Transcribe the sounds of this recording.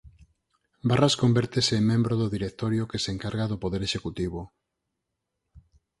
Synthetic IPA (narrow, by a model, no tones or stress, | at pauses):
baraskombɛɾt̪eseːmmẽmbɾoðʊðiɾek̚t̪oɾjokeseŋkaɾɣaðopoðeɾeʃekut̪iβ̞o